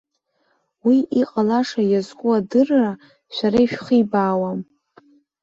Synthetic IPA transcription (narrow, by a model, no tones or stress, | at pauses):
wiʔiqʼalaʂajazkʷʼuadɨrːa | ʃʷaɾaiʃᶣχijbaːwam